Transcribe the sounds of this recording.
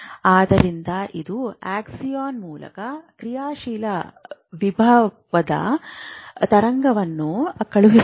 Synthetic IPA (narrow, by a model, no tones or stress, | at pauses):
aːd̪ɐɾind̪ɐʔid̪uaːksijaːnmuːlɐ̰kɐkɾijaːʃiːlɐʋibʱɐ | ʋɐd̪ɐ̰ | t̪ɐɾɐŋɡɐʋɐnːukɐɭuɦi